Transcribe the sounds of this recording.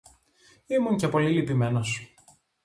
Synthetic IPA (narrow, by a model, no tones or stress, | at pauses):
imunce̞po̞lilipime̞no̞s